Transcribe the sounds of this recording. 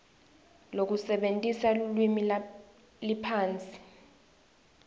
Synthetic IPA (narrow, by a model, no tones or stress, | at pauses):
lok̬usɛɓentʼisaulwimi | lipʰaːnt͡sʼi̥